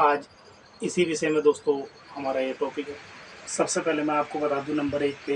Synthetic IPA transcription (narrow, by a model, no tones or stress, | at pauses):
aːd͡ʒ | ɪsiʋɪsemẽd̪oːst̪õ | hɐmaːɾaieʈɔːpikɦɛːsɐbsepɛɦlemɛ̃aːp̚kobɐt̪aːd̪ũnɐ̃mbəɾeːkpe